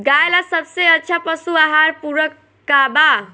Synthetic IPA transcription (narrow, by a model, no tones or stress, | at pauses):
ɡajlasəbseətːʃʰapəsuaɦaɾpuɾəkː | aba